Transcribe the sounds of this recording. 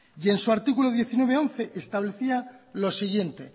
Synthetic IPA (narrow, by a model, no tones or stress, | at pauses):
je̞nsuaɾt̪ikuloðje̞θinwe̞β̞eo̞n̟θe̞ʔest̪aβleθialo̞siɣje̞nt̪e̞̰